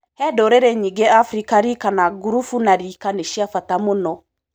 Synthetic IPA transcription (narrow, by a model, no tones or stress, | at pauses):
hɛdɔɾeɾeɲĩɡeafɾikaɾikanaɡuɾufunaɾikaneʃiafatamonɔ